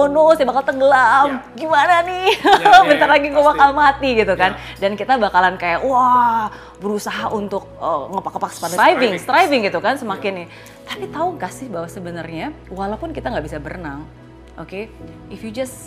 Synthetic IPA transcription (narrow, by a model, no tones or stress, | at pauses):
onosabakalt̪əɡəlamɡimananɪmənt̪arlaɡiɡuabakalmat̪iɡit̪ukandankit̪abakalankajaʔwa | bəɾusaɦaʔunt̪ʊk̚əŋəpakapakspadaajvɪŋst̪ɾajvɪŋɡit̪ukansəmakɪnɪh | t̪apit̪aukasɪhbawasəbənarɲawalapʊnkit̪aŋɡaʔbisabərnaŋ | ʔoke | ɪfjud͡ʒas